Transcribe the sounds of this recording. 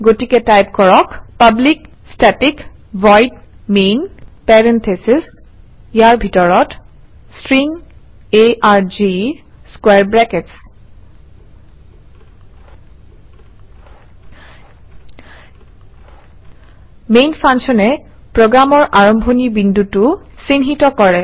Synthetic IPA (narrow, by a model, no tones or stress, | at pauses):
ɡotiketajp̚kɔɹɔkpablik | statik | vɔjdmenpɛɹent̪ʰesis | jaɹbʱitɔɹɔt | stɹiŋ | eʔaɹd͡ʒiskwɛɹbɹɛkets | mejnpʰanʃɔnɛ | pɹoɡɹamɔɹʔaɹɔmbʱonibindutusinɦitɔkɔɹɛ